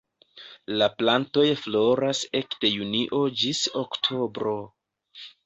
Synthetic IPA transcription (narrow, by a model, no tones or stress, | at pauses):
laplanto̞jflo̞ɾasekde̞juniʔo̞d͡ʒisoktʰo̞bɾo̞